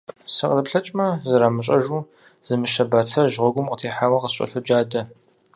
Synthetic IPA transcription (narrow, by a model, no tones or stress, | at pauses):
sɨqəlɐpɬɐt͡ʃʼmɐzɨɾaːmɨɕʼɐʒuː | z̥ɨmɨʃɐbaːt͡sʰɐʒʁʷɔɡʷʊmqətʰeːħawɐqəɕʼɐ̰ɬʊd͡ʒaːdɐ